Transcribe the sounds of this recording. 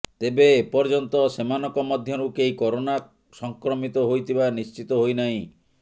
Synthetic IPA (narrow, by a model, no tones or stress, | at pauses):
t̪ebepɔɾd͡ʒɔnt̪ɔsemanɔkɔmɔd̪ʱjɔɾukejkɔɾona | sɔŋkɾɔmit̪ɔɦojt̪ʰibanist͡ʃit̪ɔɦojnaĩ